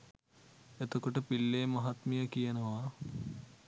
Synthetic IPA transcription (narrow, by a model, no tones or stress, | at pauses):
et̪okoʈəpilːeːmɐɦat̪mijəkijənəʋa